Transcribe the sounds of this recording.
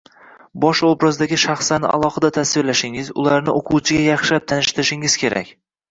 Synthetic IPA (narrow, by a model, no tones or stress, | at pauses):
bɒʃobɾɒzd̪aɡʲɪʃaχslanɪ̰ʔa̰lˠɒhɨd̪at̪ʰasvɪɾlaʃɪŋɪzʊ̰laɾnɪʔoqʰuwt͡ʃʰɪɡʲajɑχʃap̚t̪ʰanɪʃt̪ɪɾɪʃɪŋɪz̥kʲʰe̞ɾa̰kʲ